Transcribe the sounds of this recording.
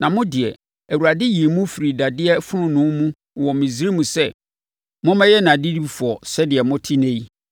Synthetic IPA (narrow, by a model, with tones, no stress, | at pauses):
nã˨mʊ̃˦dɪ˨ɛ̰˨ | æ˨wu˨ɾa˨dɪ˦ji˨e˨mũ˦fi˨ɾi˨da˨dɪ˦ɛ˦fʊ˦ʊ̃˦nʊ̃˨˦mũ˦˨ | wɔ˨mĩ˨zɾi˦mũ˨sɛ˦ | mʊ̃˦mɛ̃˦jɛ˦nã˨di˦di˦bfu˨ɔ˨sɛ˦dɪ˨ɛ˨mʊ̃˦tʰi˦nẽ˦i˦